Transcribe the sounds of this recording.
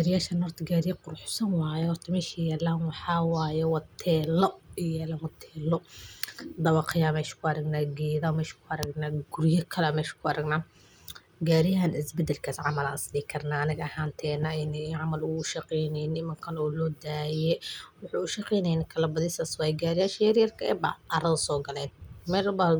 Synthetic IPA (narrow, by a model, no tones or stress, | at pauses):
ɡaɾɪjaːʃɐnhɔrt̪ʰɐɡaːɾɪjɐqʊrħsɐnwɑːjɛhɔrt̪ʰɐmɛːʃijɛːlaːnwɑħɑwɑːjɛwɑt̪ʰːɛːlɔjɛːlɐnwɐt̪ʰɛːlːɔ | d̪ɐβɐqʰɪjaːmɛːʃɪ̥kʰʊɐɾɐɡnaːɡɛːðɐmɛːʃkʰʊɐɾɐɡnaːɡʊɾjɐkʰɐlɛmɛːʃɐ̥kʰʊɐɾɐɡnaː | ɡaːɾɪjɦanɪsbɛd̪ɛlkʰaːsʕɑmɐla̰ːnsɪd̪ikʰɐrnaːɐnɪɣɐɐhaːnt̪ʰɛːnɐnɛʕɑmɐlʊɡʊʃɐqɛjnɛjnɪmɐŋkʰɐnɔːlɔːd̪aːjɛwʊħɑʊʃɐqɛjnɛjnɛkʰɐlɐbɐðɪsaswajɡaːɾɪjaːʃɐjɐɾjɐrkʰɐɛ̰bɑ̰ɐɾɐðɐsɔːɡɐlɛːnmɛːlbɐ